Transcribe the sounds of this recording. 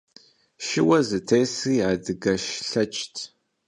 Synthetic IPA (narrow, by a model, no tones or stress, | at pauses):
ʃɪwɐzɨtʰejsiːaːdɨɡɐʃɬɐt͡ʃʼtʰ